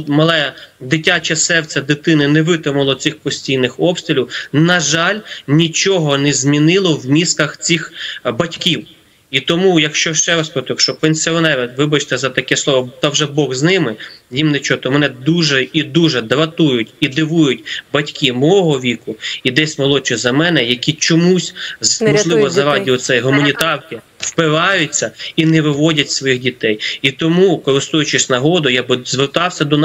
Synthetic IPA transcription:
mɐlˠɛjɐd̪ɪtʲːat͡ʃɛsɛrt͡sʲɐd̪ɪt̪ɪnɪnɛʋɪt̪ɪmʊlˠɔt͡sʲɪxpɔsʲtʲijnɪxɔpst̪ɾʲiɪlʲiwnɐʒɑlʲnʲit͡ʃɔɦɔnɛzʲmʲinɪlˠɔwmʲisk̪ɐxt͡sʲixbɐtʲkʲiw | it̪ɔmujɐkʃt͡ʃɔʃt͡ʃɛɾɐspɾɔt̪kʃt͡ʃɔpenʲsʲiɔnɛɾɐʋɪbɐt͡ʃt̪ɛzɐt̪ɐkɛslˠɔʋɔt̪ɐwʒɛbɔɣznɪmɪjimnɛt͡ʃɔt̪ɔmɛnɛd̪uʒɛid̪uʒɛd̪ɾɐt̪ujʊtʲid̪ɪʋujʊtʲbɐtʲkimɔɔɦɔʋʲikʊid̪ɛsʲmɐlˠɔt͡ʃʲzɐmɛnɛjɐkʲit͡ʃɔmusʲmmɔʒlˠɪʋɔzɐɾɑdʲiʋɔt̪sɛjɦʊmɐnʲit̪ɑrkɪ | wpɪɾɑjʊt͡sʲːɐinɛʋɪʋɔdʲɐtʲsʋɔjixdʲit̪ɛjit̪ɔmukɔɾɪst̪ujʊt͡ʃɪsʲnɐɦɔd̪ʊjabɪzʋert̪ɑwsʲɐd̪ɔn

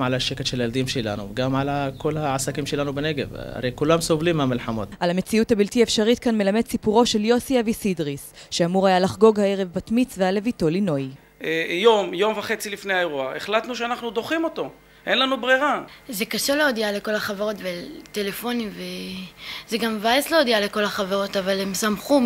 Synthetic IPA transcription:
ʕalaʃeket̪ʃeljeld̪imʃela̰nṵɡamʕalako̞laʕasakimʃelanubeneɡeva̰ʁejkulamso̞vlimːamilħamo̞̰t̪ʔalame̞t͡siuthabiltiaefʃaʁit̪̚kanme̞lame̞d̪sipuʁo̞ʃe̞ljo̞siavisidʁisʃeamuʁajalaχɡo̞ɡhaeʁe̞vbatmit͡sveale̞vito̞lino̞j | ejo̞mjo̞mvaχe̞t͡silifnejaeʁuaeχlat̪nuʃeanaχnud̪o̞χimo̞to̞ | ʔenlanubʁiʁazekaʃeleodiale̞ko̞laχaveʁo̞tvetelefo̞nimve | zeɡamvaesleod̪iale̞ko̞laχaveʁo̞tavalemsamχu

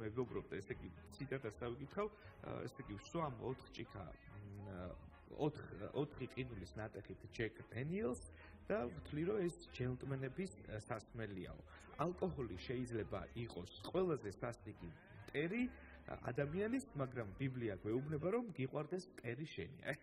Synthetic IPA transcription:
mɛvɔbɾɔb̚d̪aɛsɛɡit̪sʰit̪ʼat̪ʰat̪sd̪avikʼit̪χavɛ̰sɛɡifswamɔt̪ʰχt͡ʃʼikʰa̰ | ɔ̰t̪ɔt̪ʰχiqʼinulisnat̪ʼɛχit̪ʰd͡ʒɛkʰʼd̪ɛniɛlˠs | d̪̥amt̪ʰliɾɔɛsd͡ʒɛnt̪ʼmɛnɛbissasmɛlia̰ɔ̰ | alˠkʼɔhɔliʃɛid̪zlɛba̰ʔiqʼɔsqʼwɛlˠazɛsasliɡi | mt̪ʼɛɾi | a̰d̪amianismaɡɾambibliaɡwɛubnɛbaɾɔmɡiqʼwaɾd̪ɛsmt̪ʼɛɾiʃɛnḭa̰

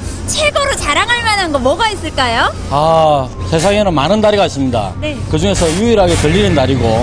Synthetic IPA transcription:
t͡ɕʰeɡʌɾot͡ɕaɾaŋɯɭmananɡʌmwʌɡais͈ɯɭk͈ajo | ase̞sʰaŋenɯnmanɯndaɾiɡais͈ɯmɲida̰nekɯd͡ʑuŋe̞sʰʌjuiɾɦaɡe̞tɯʎːiɾɯndaɾiɡo

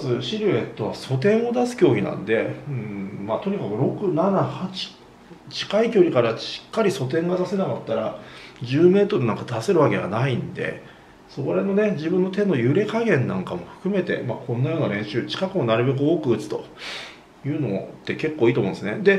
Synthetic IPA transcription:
zɨɕiɾɯ̟e̞t̪ːo̞βaso̞t̪ẽ̞ɰ̃o̞d̪asɨ̥kʲo̞ːɡʲinã̰nd̪e̞ɯ̟̃ɴmaːt̪o̞ɲ̟ikakɯ̟ɾo̞kɯ̟nanahat͡ɕi̥ | t͡ɕi̥kaikʲo̞ːɾʲikaɾaɕi̥kːaɾʲiso̞t̪̬ẽ̞ŋɡad̪ase̞nakat̪ːaɾad͡ʑɨːme̞ːt̪o̞ɾɯ̟nãŋkad̪aseɾɯ̟βake̞βa̰naĩnd̪e̞̰ | soɾe̞no̞ne̞d͡ʑibɯ̟̃nːo̞t̪e̞nːo̞jɯ̟ɾe̞kaɡẽ̞nːã̰ŋkamo̞ɸɯ̟̥kɯ̟me̞t̪e̞̰makʰõ̞nːajo̞ːnaɾẽ̞ɰ̃ɕɨːt͡ɕi̥kakɯ̟mo̞naɾɯ̟be̞k̬ɯ̟o̞ːkɯ̟ɯ̟t͡sɨ̥t̪o̞̰ | jɯ̟ːno̞t̪ːe̞ke̞kːoːit̪omõnd̪sned̪e̞

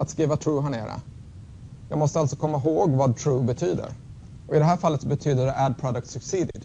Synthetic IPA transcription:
at̪skɾiːvat̪ʰɾuːɦæɳḛːɾə̰ | jɑ̰ːɡmɔst̪əalt̪sɔ̥kʰɔmːaɦoːɡvɑd̪̚t̪ʰɾuːbɛt̪ʰyːd̪ə̰ɾ | ɔɪd̪ɛɦæːɾfalːət̪sɔbɛt̪ʰyːd̪əɖɛʔæd̪̚pʰɾɑd̪əkt̪sɵksiːd̪ɪd̪

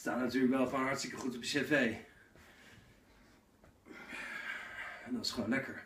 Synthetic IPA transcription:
staːtnatyːləkʋɛlˠfɔnɦɑɹtstɪkəχutəpəsɛvej | ɛndɔtɪ̥sχəʋonlɛkʰəɹ

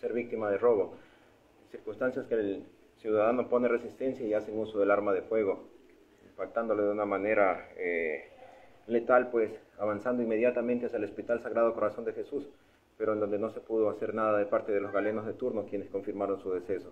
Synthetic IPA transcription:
se̞ɾβik̚t̪imaðero̞β̞o̞ | siɾkunst̪ansjaskel | sjuðaðano̞po̞nere̞sist̪e̞nsjaiaseŋusoðelaɾmaðe̞fwe̞ɣ̞o̞ | impak̚t̪and̪o̞loðeunamane̞ɾae | le̞t̪alpwe̞saβansand̪o̞ime̞ðjat̪amẽnt̪easjaelo̞spit̪alsaɣɾað̞o̞koɾaso̞nd̪e̞xe̞sus | peɾo̞end̪o̞nd̪eno̞se̞puðo̞ase̞ɾnaðaðepaɾt̪eð̞e̞lo̞zɣale̞no̞zðe̞t̪uɾnokje̞ne̞sko̞ɱfiɾmaɾo̞nsuðe̞se̞so

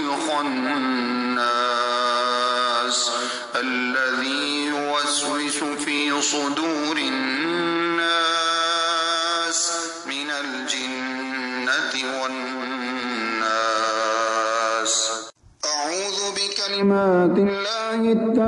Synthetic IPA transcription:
xanː | aː | s | ʔalːaðiː | jʊwazwɪsʊfiːsˤʊd̪uːɾɪː | aː | s | mɪnal | d͡ʒanːat̪ɪwanː | aː | s | ʔaʕuːðʊbɪkalɪmaːt̪ɪlːaːhɪt̪ːa

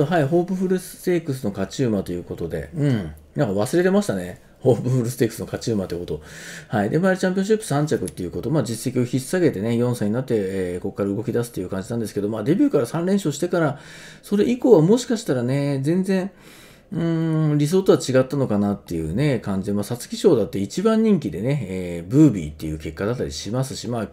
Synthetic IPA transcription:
ɦaiɦo̞ːbɯ̟ɸɯ̟ɾɯ̟sɨ̥t̪e̞ːkɯ̟s̬ɨno̞kat͡ɕɨːmat̪o̞jɯ̟ːko̞t̪o̞d̪e̞̰ɯ̟̃ɴnãŋkaβ̞asɨɾe̞t̪e̞maɕi̥t̪ane̞ | ho̞ːbɯ̟ɸɯ̟ɾɯsɨ̥t̪e̞ːkːɯ̥sɨno̞kat͡ɕɨːmat̪eji̟kot̪ohaid̪e̞maɾit͡ɕãmpʲjõɕipːɯ̟̥sãɲ̟t͡ɕakɯ̟t̪ːejɯ̟ko̞t̪o̞maːd͡ʑise̞kʲio̞çʲisaɡe̞t̪e̞nejõ̞ɰ̃saiɲ̟inat̪ːe̞eːko̞kːaɾaɯ̟ɡo̞kʲid̪asɨ̥t̪ːejɯ̟kãɲ̟d͡ʑinand̪esɨ̥ke̞d̪o̞maːd̪e̞bʲɨ̟ːkaɾasãnɾẽ̞ɰ̃ɕo̞ːɕi̥t̪e̞kaɾa | so̞ɾe̞ʔiko̞βamo̞ɕi̥kaɕi̥t̪aɾane̞d͡zẽ̞nd͡zẽ̞ɰ̃ | ɯ̃ɴɾʲis̬o̞ːt̪o̞βat͡ɕiɡat̪ːano̞kanat̪ːe̞jɯ̟̰ːne̞kãɲ̟d͡ʑid̪emaːsat͡sɨ̥kʲiɕo̞ːd̪at̪ːeit͡ɕibãɲ̟ːĩŋkʲid̪e̞ne̞eːbɯ̟ːbʲḭːt̪ːe̞jɯ̟ːke̞kːad̪at̪ːaɾʲiɕimasɨ̥ɕimaː

